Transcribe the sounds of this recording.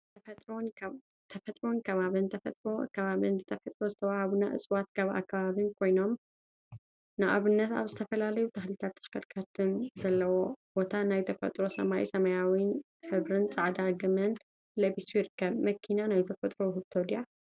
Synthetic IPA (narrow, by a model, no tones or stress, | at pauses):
t̪ʰɐt̪ʼɾon | t̪ʰɐfɐt̪ʼɾo̞nkʰɐβaβɨnt̪ʰɐfɐt̪ʼɾo̞kʰɐβaβɨnzɨt̪ʰɐfɐt̪ʼɾo̞zɨt̪ʰɐwahaβuna̰ʔɨ̰sʼwat̪kʰɐβa̰kʰːɐβaβɨnkʰo̞jno̞m | nɨʔa̰βɨnːɐt̪a̰βzɨt̪ʰɐfɐlalɐjut̪ʰaxlit̪ʰat̪ːɐ̥ʃkɐɾkʰaɾt̪ʰɨnzɐlːɐwo̞bo̞t̪ʰanajt̪ʰɐfɐ̰t̪ʼɾo̞sɐ̰maʔjḭsɐmɐjawin | ħɨβɾɨnt͡sʼaʕd̪aɡɨmɨn | lɐβisujɪɾɨkːɐβmɐkʰːinanajt̪ʰɐfɐt̪ʼɾo̞hɨβt̪ʰod̪ija